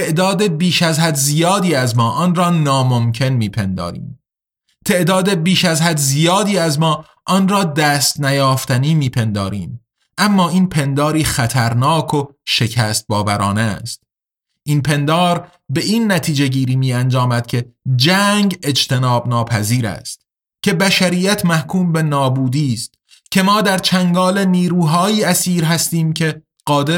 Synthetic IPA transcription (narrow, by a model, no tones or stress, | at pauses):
eʔd̪ɒːd̪ebiːʃæzhæd̪zijɒːd̪iːæzmɒːʔɒːnrɒːnɒːmo̞mcʰe̞nmiːpʰe̞nd̪ɒ̰ːɾḭːm | t̪ʰe̞ʔd̪ɒːd̪e̞biːʃæzhæd̪zijɒːd̪iːæzmɒː | ʔɒːnrɒːd̪æːst̪næjɒːft̪æniːmiːpʰe̞nd̪ɒːɾiːm | ʔæmːɒːiːnpʰe̞nd̪ɒːɾiːxæt̪ʰæɾnːkʰo̞ʃe̞cʰæst̪̚bɒːvæɾɒːnest̪̚ | ʔiːnpʰe̞nd̪ɒːɾ | be̞ʔiːnːæt̪ʰiːd͡ʒe̞ɟiːɾiːmiːænd͡ʒɒːmæd̪̥cʲʰe̞d͡ʒæːŋɡe̞d͡ʒt̪e̞nɒːbnɒːpʰæziːɾæ̰ːst̪̚ | cʰe̞bæʃæɾiːjæt̪ʰmæhkʰuːmbe̞nɒːbuːd̪iːst̪ | cʲʰe̞mɒːd̪æɾt͡ʃʰæŋɡɒːle̞niːɾuːɦɒːjiːæsiːɾɦæst̪iːmcʰe̞ | ɢ̥ɒːd̪e